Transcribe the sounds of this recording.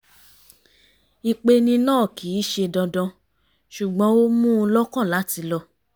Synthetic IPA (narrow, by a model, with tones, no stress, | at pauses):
i˨˧k͡pe˧nĩ˧nãː˦˨kiː˨˦ʃe˧dɔ̃˧dɔ̃˧ | ʃu˨ɡ͡bɔ̃˦o˦mũ˦˧lɔ˦kɔ̃˦˨la˨˦ti˧lɔ˧